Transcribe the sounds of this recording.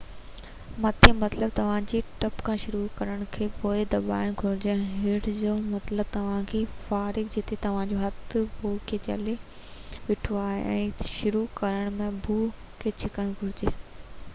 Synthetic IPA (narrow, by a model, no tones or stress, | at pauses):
mɐt̪ʰĩmɐt̪ləb̚t̪ɐʋ̤ãd͡ʑeʈɐpkʰãːʃʊɾukɐɾəɽ̃kʰeːpoːɪd̪ɐba̰ːɪəɽ̃ɡʱʊɾɪd͡ʑeɦɪːɽd͡ʑoːmɐt̪ləb̚t̪ɐʋ̤ãkʰeːfaːɾɪɡd͡ʑet̪ʰet̪ɐʋ̤ãd͡ʑoɦɐt̪bʱuːkʰet͡ɕɐ̰le | ʋɪʈʰuaːɦḛʔɛ̰̃ːʃʊɾukɐɾəɽ̃mẽbʱuː | kʰeːt͡ɕʰɪkəɽ̃ɡʱʊɽɪd͡ʑeː